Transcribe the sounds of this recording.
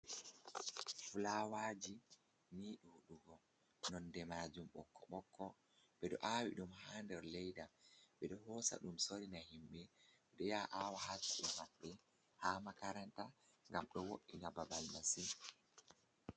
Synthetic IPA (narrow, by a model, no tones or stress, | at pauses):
fulawaːd͡ʒi | niːɗuhuɗuɡɔ | nɔndɛmaːd͡ʒumɓɔkʰːɔɓɔkːɔ | ɓɛɗɔ̰ʔawḭɗumhaːndɛɾlɛjdaɓɛɗɔhɔːsa̰ɗumsoɾinahimɓɛ | ɛɗɔjaːʔawahatuɗɛmaɓːɛ | haːmakaɾanta | ŋɡamɗɔwoʔːinababalmasi